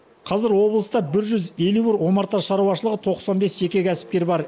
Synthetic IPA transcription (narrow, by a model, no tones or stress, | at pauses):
qʰɑzɪɾwo̞blˠəst̪ɑbɪɾʒʏze̞luɪɾwo̞mɑɾt̪ɑʃɑɾuwɑʃəlˠəʁət̪ʰo̞qsɑnbe̞sʒe̞kʲe̞kʲʰæsɪ̥p̚kʲe̞ɾbɑɾ